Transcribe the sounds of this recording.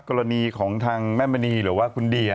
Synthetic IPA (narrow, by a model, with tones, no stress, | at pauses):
kɔː˧ɾa˧niː˧kʰɔː˩˦ŋt̪ʰaː˧ŋmɛː˥˩ma˧niː˧ɾɯ˩˦waː˥˩kʰu˧ndiː˧